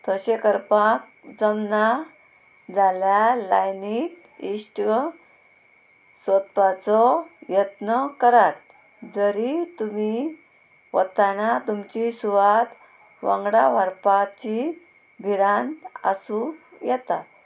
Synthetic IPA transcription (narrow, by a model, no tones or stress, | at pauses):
t̪əɕekəɾpak̚ | d͡zəmna | d͡zaljalajnit̪ | iʂʈ | sət̪̚pat͡sɔjət̪nəkəɾat̪̚ | d͡zəɾit̪umi | ʋə̰t̪anat̪umt͡ɕisuʋat̪ | ʋã̰ŋɡɽaʋəɾpat͡ɕi | bʱiɾãnasujɛt̪a